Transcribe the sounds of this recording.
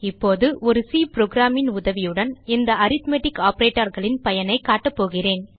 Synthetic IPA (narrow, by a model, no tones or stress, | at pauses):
ɪpːoːðɯʔɔɾɯsiːpɾoːɡɾaːmɪnʊðɐʋɪjɯɽɐnɪnd̪ɐɐɾɪt̪meʈɪkːaːpɐɾeːʈːɐɾɣɐɭɪnpɐjɐnɐɪkaːʈːɐpːoːɣɪreːn